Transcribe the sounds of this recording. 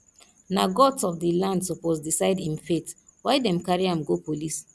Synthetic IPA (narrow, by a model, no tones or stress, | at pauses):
naɡɔtsɔfdilãndsɔpozdisaɪdĩmfetwaɪdɛ̃mkaɹiãmɡopolis